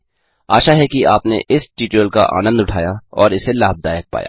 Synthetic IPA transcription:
aːʃaɦɛkiʔaːpnḛʔɪsʈiːʈəəlka̰ʔa̰ːnə̃nd̪ʊʈʰaːjaɔːɾɪselaːb̚d̪aːjək̚pa̰ːja̰ː

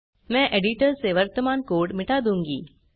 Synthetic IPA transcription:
mɛ̃ːʔeːɖiʈəɾseʋɐɾt̪əmaːnkoːɾɖmɪʈaːd̪ũːŋɡiː

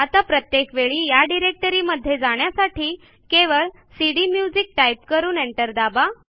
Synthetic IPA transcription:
at̪apɾət̪jekʋeɭiːjaɖiɾek̚ʈəɾiːməd̪ʱːjed͡zaɽ̃jasaʈʰiː | keʋəɭ | siɽimjud͡zik̚ʈajp̚kəɾuːneɳʈəɾd̪aba

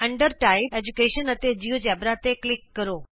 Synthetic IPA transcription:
ə̃ɳɖəɾʈaɪbed͡ʑukeːʃənət̪ed͡ʑiʋd͡ʑabɾat̪eklɪkːəɾoː

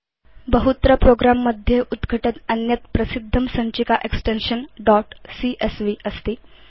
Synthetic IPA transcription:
bəɦut̪ɾəpɾoɡɾamːəd̪ʱjeʔud̪ɡʱəʈət̪ənjət̪pɾəsid̪ʱːəmsəɲt͡ɕikaʔeksʈenɕənɖɔʈsiʔesʋiʔəst̪iː

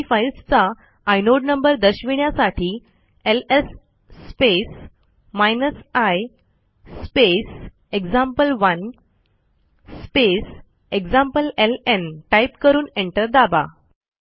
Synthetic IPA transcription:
failst͡saː | jnoɖnəmbəɾd̪əɕʋiɳjasaʈʰiː | elesː | pes | majnəsajː | pes | eɡd͡zãmpəlʋən | spes | eɡd͡zãmpəlelenʈaipkəɾuːneɳʈəɾd̪aba̰

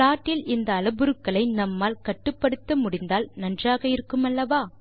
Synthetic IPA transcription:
aːʈːɪlɪnd̪ɐːlɐbɯɾɯkːɐɭɐɪnɐmːaːlkɐʈːɯpːɐɽɯt̪ːɐmʊɽɪnd̪aːlnɐndraːɣɐɪɾɯkːɯmɐlːɐʋaː

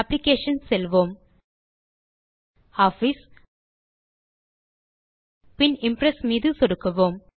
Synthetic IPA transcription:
ɐplikeːʂɐnselʋoːm | aːfis | pinɪ̃mpɾesmid̪usoɽukːɐʋoːm

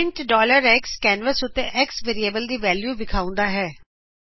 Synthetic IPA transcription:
ɪɳʈɖɔːləɾɛkskɛːnʋəsʊt̪ːẽʔɛksʋeːɾieːbəld̪iːʋɛːljuːʋɪkʰaːʊ̃nd̪aːɦɛː

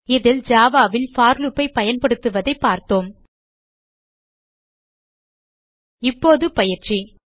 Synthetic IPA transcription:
ɪðɪld͡ʒaːʋaːʋɪlfaːɾlɯpːɐɪpɐjɐnpɐɽɯt̪ːɯʋɐðɐɪpːaːɾt̪oːm | ɪpːoːðɯpɐjɪɾt͡ʃi

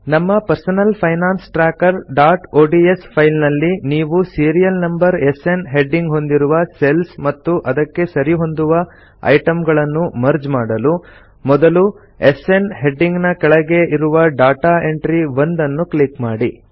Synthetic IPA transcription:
nɐmːɐpɐɾsɐnɐlpʰɐjnaːnsʈɾaːkɐɾɖaːʈoːɖie̞spʰɐjlnɐlːiniːʋusiːɾijɐlnɐmbɐɾe̞se̞nɦe̞ɖːiŋɡɦo̞nd̪iɾuʋɐse̞lsmɐt̪ːuʔɐd̪ɐkːe̞sɐɾiɦo̞nd̪uʋɐ | ɐ̰jʈɐmɡɐɭɐnːumɐɾd͡ʒmaːɽɐlu | mɔd̪ɐlu | ese̞nɦe̞ɖːiŋɡnɐkɛɭɐɡe̞ʔiɾuʋɐɖaːʈaːe̞ɳʈɾiʋɐnd̪ɐnːuklikmaːɽi

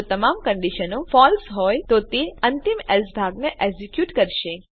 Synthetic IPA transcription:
ot̪əmamkəɳɖiʃənofɔlsɦɔjt̪ot̪eənt̪imɛsbʱaɡneʔɛsikjuʈkəɾʃe

